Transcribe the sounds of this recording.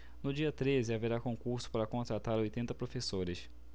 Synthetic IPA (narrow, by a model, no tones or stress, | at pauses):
nʊd͡ʒiɐt̪ɾezɪaveɾakõŋkuɾsʊ̥paɾɐkõt̪ɾat̪aɾojt̪ẽnt̪ɐpɾofesoɾɪs